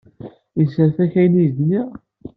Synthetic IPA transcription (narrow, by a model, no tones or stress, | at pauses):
jəsəɾθæçæjniðni